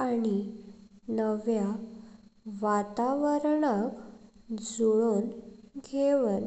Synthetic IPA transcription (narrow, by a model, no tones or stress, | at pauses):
aɽi | nəʋja | ʋat̪aʋəɾɳakd͡zuɭoːnɡʱeʋən